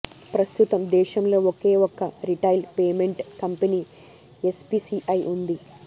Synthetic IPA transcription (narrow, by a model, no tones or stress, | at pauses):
pɾɐst̪ut̪ɐmd̪ɛːʃɐmlo̞ːɔkeːɔkːɐɾiʈɐjlpeːmeɳʈkɐmpɐni | espisiʔɐjʔund̪i